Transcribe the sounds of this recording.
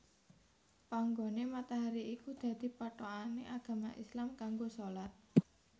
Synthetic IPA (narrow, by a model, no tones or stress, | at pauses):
paŋɡonemat̪aɦaɾiikud̪̥ä̤d̪̥i̤paʈoanḛʔaɡ̥ä̤maʔislamkaŋɡosolat̪̚